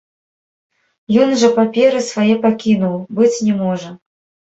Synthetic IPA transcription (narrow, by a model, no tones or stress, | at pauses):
jɔnʐɐpapʲɛɾɨsvajɛpakʲinuwbɨt͡sʲnʲɛmɔʐɐ